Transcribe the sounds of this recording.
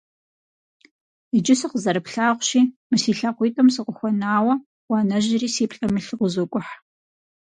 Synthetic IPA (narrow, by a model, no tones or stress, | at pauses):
id͡ʒɪsɨqəzɐɾɨpɬaːʁʷɕiːmɨsiːɬaqʷiːtʼɐmsɨqəxʷɔnaːwɐ | wɑːnɐʑɪɾiːsiːpɬʼɐmɨɬɨqʷʊzokʷʼʊħ